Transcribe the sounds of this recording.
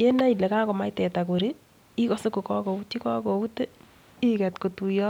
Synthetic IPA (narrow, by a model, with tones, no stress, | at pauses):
je˦na˦i˨le˨ka˦ko˨ma˦itɛ˨ta˨ko˨ɾi˦ | i˦kɔ˦so˦ko˨kɔ˦ko˨u˦ti˦kɔ˦ko˨u˦te˦ | i˦kɛ˨tko˨tu˨jɔ˦